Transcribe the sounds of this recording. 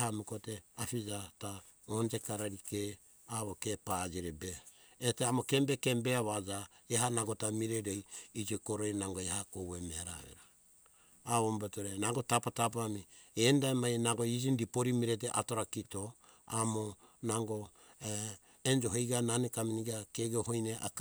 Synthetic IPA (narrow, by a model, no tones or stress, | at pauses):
hamukoteafid͡ʒata | ond͡ʒe̞kaɾaɾike | aβokepad͡ʒiɾebeː | teamoke̞mbeke̞mbeaβad͡ʒaeɦanaɡo̞tamiɾeɾejid͡ʒikoɾojnaŋɡoehakowemeaɾa̰βḛɾa | aβombetoɾenaŋɡo̞tapatapamiendaemajnaŋɡo̞id͡ʒindipoɾimiɾeteʔa̰to̞ɾakito̞ | a̰monaŋɡo̞ | end͡ʒo̞ɦejɡananekaminiɡakeɡeoɦojneʔa̰k